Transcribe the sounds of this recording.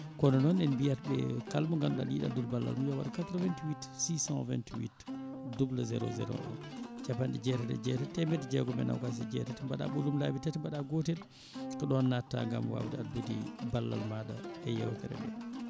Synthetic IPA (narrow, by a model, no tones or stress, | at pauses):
kɔnɔnɔnɛnbijat̚bɛkalmuŋɡanɗa̰liɗa̰dulbalːa̰lmujɔwaɗakat̪ɾɔvɛntiwitsisãnvɛ̰ntwḭtdublazɛɾo̰zɛ̰ɾɔ̰ɗɔ̰nd͡ʒapandɛd͡ʒɛtɛtɛ̰d͡ʒɛtɛtɛmɛtd͡ʒɛɡɔmɛna̰wkas̬id͡ʒɛ̰tɛtɛbaɗa̰ɓulumlaːbitɛtɛmbaɗaɡotɛɾ | kɔɗɔnːatːa̰ŋɡamwa̰wtaalbudibalːa̰lmaɗaɛjɛwtɛɾɛ̰mɛ̰ɗ